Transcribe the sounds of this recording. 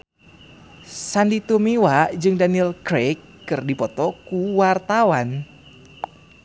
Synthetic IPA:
sandit̪umiwad͡ʒɨŋdaniilkɾekːɨrdipɔt̪ɔkuwart̪awan

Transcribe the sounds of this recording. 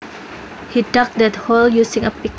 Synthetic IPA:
hidɔk̚dɛt̪̚holjusɪ̃ŋəpik

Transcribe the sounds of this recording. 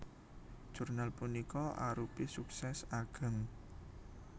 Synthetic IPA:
d̥ʒ̥ṳrnalpunikɔʔa̰ɾupisuksɛsaɡ̥ə̤ŋ

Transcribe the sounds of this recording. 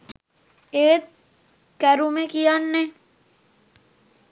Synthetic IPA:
eːt̪̚ | kɛɾũmẽkijanːẽ

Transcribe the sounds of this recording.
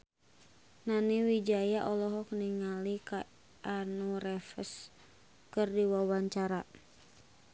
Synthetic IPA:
naniwid͡ʒajaʔɔlɔɦɔk̚niŋalika | ʔːnuɾɛfə̰s | kɨrdiwawaɲt͡ʃaɾa

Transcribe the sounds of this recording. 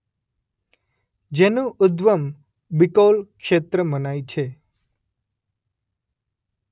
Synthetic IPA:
d͡ʒenũʔʊd̪ʋəm | bikolkʃet̪ɾəmənajt͡ʃʰe

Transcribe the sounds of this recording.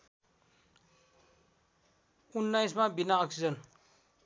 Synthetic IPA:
unːajsmabinaʌksid͡zʌn

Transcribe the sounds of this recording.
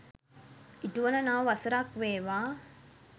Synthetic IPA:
iʈuʋɐnɐnaʋɐsɐɾakʋeːʋaː

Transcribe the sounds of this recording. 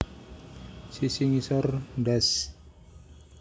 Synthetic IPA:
sisiŋisɔrdɛs

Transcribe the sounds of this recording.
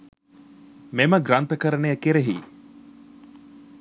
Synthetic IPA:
meməɡɾant̪əkəɾənejəkeɾeɦḭː

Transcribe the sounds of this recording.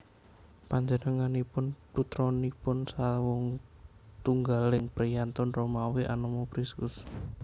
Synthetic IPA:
paɲd͡ʒənəŋanipʊnput̪ɾɔnipʊnsawɔŋt̪uŋɡalɪŋpɾijant̪ɔnromaweʔa̰nɔmɔpɾiskʊs

